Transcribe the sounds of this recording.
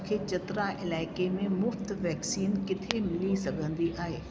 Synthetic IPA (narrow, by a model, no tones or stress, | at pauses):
kʰeːt͡ɕɐt̪ɾaʔɪlaːɪkemẽmʊft̪ʋɛːksiːnkɪt̪ʰeemɪlisɐɡʱə̃nd̪iʔaːɦeː